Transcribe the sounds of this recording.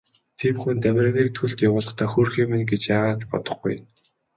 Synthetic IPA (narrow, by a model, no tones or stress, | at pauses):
t̪ʰemxunt̪æmʲrə̆ɣiːk̚t̪ʰɵɮt̪jawʊːɮə̆χt̪aːxurxiːmenɡet͡ɕjaːʁaːt͡ɕpɔ̰t̪ɞ̥̆χɡṵj